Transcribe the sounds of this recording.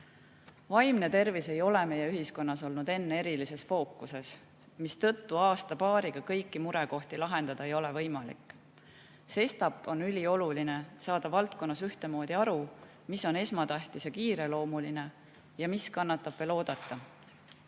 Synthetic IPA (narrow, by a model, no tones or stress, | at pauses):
vɑjmne̞t̪e̞rvise̞jo̞le̞me̞jeyɦisko̞nːɑso̞lnud̪e̞nːee̞ɾilise̞sfo̞ːkːˑuse̞s | mist̪ɤ̞t̪ːuɑːst̪ɑpɑːɾiɡ̥ɑkɤ̞jkːˑimuɾeko̞ht̪ilɑɦe̞nd̪̥ɑd̪̥ɑe̞jo̞le̞vɤjmɑlḭkːˑ | se̞st̪ɑpːˑo̞nylʲio̞luline̞sɑːd̪̥ɑvɑlt̪ko̞nːɑsyht̪e̞mo̞ːd̪̥iɑɾu | miso̞ne̞smɑt̪æht̪isjɑkiːɾe̞lo̞ːmuline̞ | jɑmiskɑnːɑt̪ːˑɑb̥velo̞ːd̪̥ɑt̪ːɑ